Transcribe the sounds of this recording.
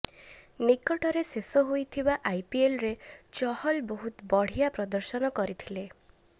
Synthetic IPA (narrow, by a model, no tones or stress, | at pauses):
nikɔʈɔɾesesɔɦojt̪ʰibaʔajpielɾet͡ʃɔhɔlbɔɦut̪ɔbɔɽ̤ijapɾɔd̪ɔɾsɔnɔkɔɾit̪ʰile